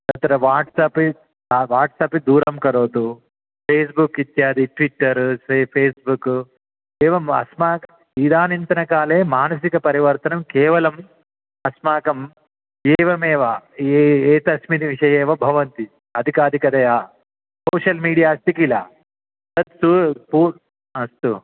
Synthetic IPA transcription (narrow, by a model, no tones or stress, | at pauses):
t̪ɐt̪ɾɐʋaːʈsaːpi | aʋaːʈsaːpid̪uːɾɐmkɐɾoːt̪u | pʰeːs̬bukit̪jaːd̪iʈʋiʈːɐɾsepʰeːsbuk | eːʋɐmɐ̰smaːkɐ | id̪aːnint̪ɐnɐkaːleːmaːnɐs̬ikɐpɐɾiʋɐɾt̪ɐnɐmkeːʋɐlɐm | ɐsmaːkɐm | eːʋɐmeːʋa | eːt̪ɐsmit̪iʋiʂɐjeːʋɐbʱɐʋɐnt̪i | ɐd̪ʱikaːd̪ʱikɐd̪ɐjaː | soːʂɐlmiːɽijaːɐst̪ikila̰ː | sɐt̪supuː | ɐst̪u